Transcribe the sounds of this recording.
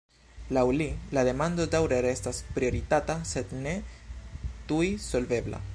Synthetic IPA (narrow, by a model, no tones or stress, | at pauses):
lawlilaðe̞mand̪od̪awɾeɾest̪aspɾio̞ɾit̪at̪ased̪ne̞ | t̪ujsolve̞bla̰